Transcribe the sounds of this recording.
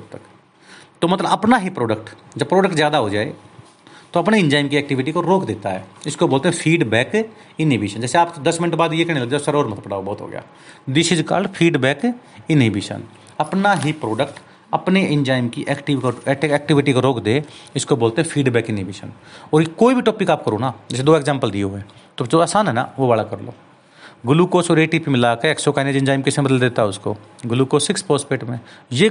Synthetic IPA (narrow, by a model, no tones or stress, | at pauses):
t̪ək | t̪oːmɐt̪ləɐpnaɦipɾoːɖək̚ʈ | d͡ʒəb̚pːɾoːɖək̚ʈzjaːd̪aɦod͡ʒa̰ːḛ | t̪oɐpneɪ̃nd͡ʒaːɪmkiɛːk̚ʈɪʋɪʈikoɾoːkd̪eːt̪aɦɛːɪskoboːlt̪eɦɛ̃pʰiːɖbɛːk | ɪnɦibeːʃənd͡ʒɛːseaːpd̪ɐsmɪnəʈbaːd̪jekɛneləd̪esəɾoːɾmət̪əpəɽaːobɔːt̪ɦo̰ɡɪ̰ja̰ː | d̪ɪʃɪd͡ʒka̰ːlpʰiːɖbɛːk | ɪnɦibḛːʃə̰n | ɐpnaɦipɾoːɖəkʈ | ɐpneɪ̃nd͡ʒaːɪmkiʔɛkʈiʋkoɛːk̚ʈɪʋɪʈikoɾoːkʰd̪eːɪskoboːlt̪eɦɛ̃pʰiːɖbɛːkɪnɦibeːʃə̰nɔːɾjkoːibʱiʈoːpikaːp̚kəɾõːnaːd͡ʒɪsed̪oːeːkzɛ̃ːmpəld̪ieɦɛːt̪od͡ʒoaːsaːnɦɛna̰ʋobaːlakəɾlo̰ː | ɡʊlukoːsɔːɾeːʈiːpimɪlaːkeeksokaneːd͡ʒɪ̃nd͡ʒaːɪmkɪsẽbəd̪əld̪eːt̪aɦɛʊsko̰ː | ɡʊlukoːsɪkspoːspeːʈmẽje